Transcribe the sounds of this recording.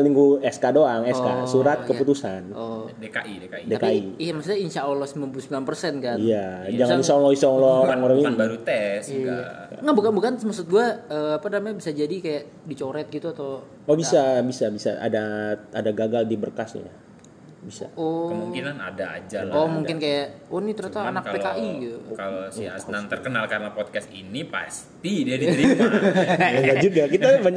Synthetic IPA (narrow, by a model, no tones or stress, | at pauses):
liŋɡuɛskadoaŋɛska̰suɾat̪̚kəput̪usanʔodekaʔidekaideakaiiamasut̪̚ɲainʃaolɔsəmilanpulusəmbilanpərsɛnkanijad͡ʒaŋannisaŋlɔisɔŋlooɾaŋoɾaŋiaɾut̪ɛs | ŋabukanbukansmasʊt̪̚ɡuaəːapanamaɲabisad͡ʒadikajaʔ | dit͡ʃoɾɛt̪̚ɡit̪uat̪a | ɔbisabisabisa̰a̰daadaɡaɡaldibərkasɲa̰ja | bisa̰ɔmuŋkinana̰daa̰d͡ʒaomuŋkɪnkajaʔɔnit̪əɾuast̪aanak̚pekaʔiukalosanant̪ərkənalkaɾənapɔt̪̚kɛst̪ḭnipa̰st̪idiadii | aɡad͡ʒuɡakit̪amaɲa